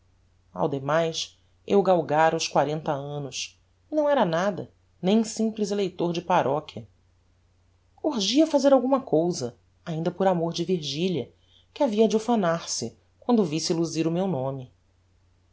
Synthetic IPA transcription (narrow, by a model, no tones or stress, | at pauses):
a̰wd̪emajs | ewɡawɡaɾwskwaɾẽnt̪ɐɐ̃nʊʃ | inɐ̃w̃ɛɾɐnad̪ɐ | nẽj̃sĩplizelejt̪oɾd͡ʒɪpaɾʔɔkʲʰɐ | uɾʒiɐfazeɾawɡũmɐkowzɐ | aĩnd̪ɐpoɾamoɾd͡ʒɪviɾʒiʎjɐ | kɪaviɐd͡ʒʊfɐnaɾsɪ | kwɐ̃nd̪ʊvisɪiluziɾʊmewnõmɪ